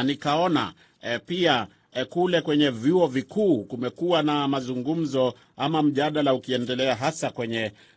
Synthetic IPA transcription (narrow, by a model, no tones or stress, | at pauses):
nikaɔna̰ | pia | kulɛkwɛɲɛvjuɔvikuːkumɛkuwanamazuŋɡum̩zɔ | amam̩ʄaɗalaukiɛndɛlɛaɦasakwɛɲɛ